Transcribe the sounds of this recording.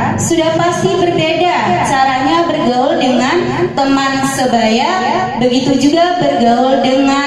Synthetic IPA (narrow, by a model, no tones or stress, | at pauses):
sudahpast̪ibərbedat͡ʃaɾaɲabərɡaʊldəŋan | t̪əmansəbaja | bəɡit̪ud͡ʒuɡabərɡaʊldəŋa